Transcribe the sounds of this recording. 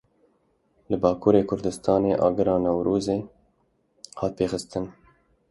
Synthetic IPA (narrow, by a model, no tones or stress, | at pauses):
lɨbɑːkʰuːɾeːkʰʊɾd̪ɨst̪ɑːneːʔɑ̰ːɡɨɾɑːnɛwɾuːzeː | hɑːt̪̚peːxɨst̪ɨn